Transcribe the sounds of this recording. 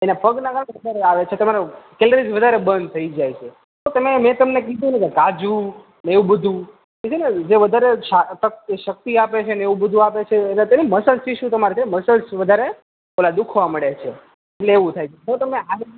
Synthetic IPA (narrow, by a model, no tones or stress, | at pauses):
enapəɡnaɡəɾ̃ʋəd̪ʱaɾeaʋet͡ʃʰet̪əmaɾokeləɾid͡ʒʋəd̪ʱaɾebənd̪̚t̪ʰəid͡ʒajt͡ʃʰe | t̪ot̪əmemɛ̃t̪əmnekid̪ũnəkekad͡ʒu | neʋũbəd̪ʱũ | ket͡ʃʰened͡ʒeʋəd̪ʱaɾeʃat̪əʃək̚t̪iapet͡ʃʰeneeʋũbəd̪ʱuapet͡ʃʰenet̪eniməsəlt͡ʃʰiʃũt̪əmaɾet͡ʃʰeməsəlsʋəd̪ʱaɾe | kolad̪ukʰʋaməɭet͡ʃʰe | eʈleːʋũt̪ʰajt͡ʃʰeɦot̪əmeaɦ